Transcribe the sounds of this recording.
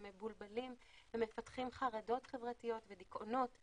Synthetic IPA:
mebulbalim | vemefatχimχaʁado̞tχevʁatijo̞tvedikʔono̞t

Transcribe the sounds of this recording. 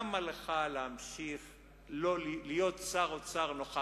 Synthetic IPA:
maleχalehamʃiχ | lolijo̞tt͡saʁot͡saʁnoχa

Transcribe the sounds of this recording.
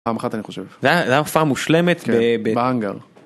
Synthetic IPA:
aːmaχat̪aniχoʃevzeazeafaːmːuʃle̞met̪kbebebeaŋɡa̰ʁ

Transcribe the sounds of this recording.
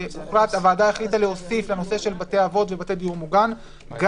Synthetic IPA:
uχɾat̪avaːdaeχlitaleo̞sifleno̞se̞ʃe̞lbate̞avo̞t̪ve̞bated̪iuʁmuɡan | ɡ

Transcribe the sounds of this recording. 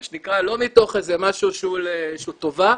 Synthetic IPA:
ʃenikʁalo̞mito̞χezemaʃuʃeuleʃuto̞va

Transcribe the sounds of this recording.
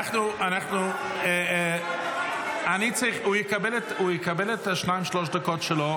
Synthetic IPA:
aχnuːʔanaχtnuː | ɛ | aniːt͡sɪχujɪkabɪlətujɪkabɪlˠətaʃnaɪmʃlˠɔʃdəkɔtʃɪlɔ

